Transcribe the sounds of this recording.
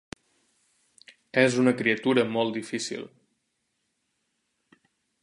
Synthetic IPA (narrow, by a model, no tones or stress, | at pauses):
ɛzunəkɾiət̪uɾəmɔlˠt̪d̪ifisḭlˠ